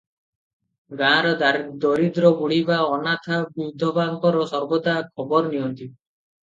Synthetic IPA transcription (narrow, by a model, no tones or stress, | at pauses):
ɡãːɾɔd̪aɾd̪ɔɾid̪ɾɔbuɽ̤ibaɔnat̪ʰabud̪ʱːɔbaŋkɔɾɔsɔɾbɔt̪akʰɔbɔɾniɦɔnt̪i